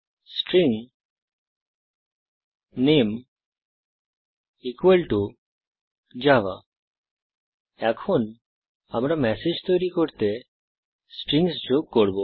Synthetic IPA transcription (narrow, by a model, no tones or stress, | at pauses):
sʈɾiŋ | nem | ikwelʈu | d͡ʒaʋa̰ | ɛkʰon | amɾamɛsed͡ʒt̪ɔjɾikoɾt̪e | sʈɾiŋsd͡ʒoɡ̚koɾbo